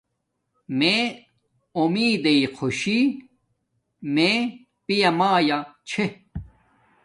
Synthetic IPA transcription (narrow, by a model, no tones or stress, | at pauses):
me | omiːd̪eiqʰoɕi | me | pijɐmaːjat͡ɕʰe